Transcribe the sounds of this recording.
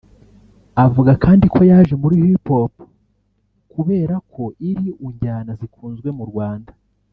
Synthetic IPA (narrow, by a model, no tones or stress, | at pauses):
avuɡakʰaːndikʰo̞jaːʒemuɾiːjihipo̞ːpu̥ | kuβe̞ːɾakʰo̞ʔiɾiʔuɲɟaːnazikuːnzɡwe̞muɾɡwaːnda